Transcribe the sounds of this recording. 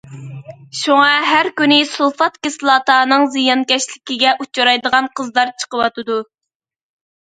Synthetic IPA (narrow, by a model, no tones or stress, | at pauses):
ʃuŋɑɦæɾkʲynɪsulˠfɑt̪kʲɪslˠɑt̪ɑːnɨŋzijɑnkʲɛʃlɪkʲiɡʲɛʔut͡ʃʰɑɾɑjd̪əʁɑnqʰəzd̪ˠɑɾt͡ʃʰə̥qəwɑt̪ɨd̪u